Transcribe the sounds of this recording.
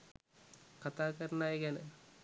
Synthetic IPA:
kat̪aːkɐɾnajekænə

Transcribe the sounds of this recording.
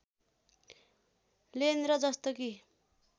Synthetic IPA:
lenɾʌd͡zʌst̪oki

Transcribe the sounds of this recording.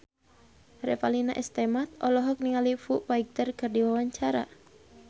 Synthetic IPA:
rɛfalina̰ʔɛst̪ɛmat̪̚ɔlɔɦɔk̚niŋalifuʔwaiɡ̚t̪ərkɨrdiwawaɲt͡ʃaɾa̰

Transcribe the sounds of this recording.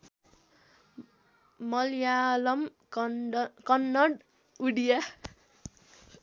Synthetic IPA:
mʌlijalʌm | kʌnːʌɽ | uɽija

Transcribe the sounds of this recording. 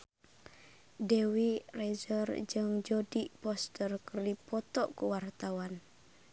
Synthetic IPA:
dewirezərd͡ʒəŋd͡ʒodiʔpɔst̪ərkərdipɔt̪ɔʔkəwart̪awan

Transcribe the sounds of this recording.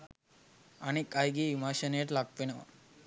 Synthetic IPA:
anekajɡiːʋimaːʃənəjəʈlakʋenəʋa̰

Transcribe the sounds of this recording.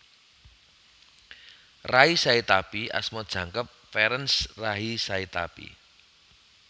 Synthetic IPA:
raisait̪apia̰smɔd̥ʒ̥ä̤ŋkəp̚fɛɾənsraɦisait̪a̰pḭ

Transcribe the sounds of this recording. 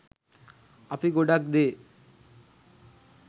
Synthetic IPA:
apiɡoɖak̚d̪e

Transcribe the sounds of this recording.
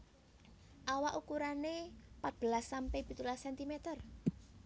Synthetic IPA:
ʔawaʔukuɾanepat̪̚b̥əlasːampɛb̥i̤t̪ulasɛnt̪imet̪ər

